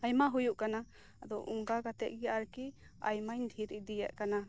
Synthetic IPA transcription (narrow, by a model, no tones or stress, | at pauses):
ajmaɦujuʔkanaː | d̪ɔʔuŋɡaɡat̪ɛ̰ʔɡiaɾki | a̰jmajnd̪ʱiɾid̪ijaʔkana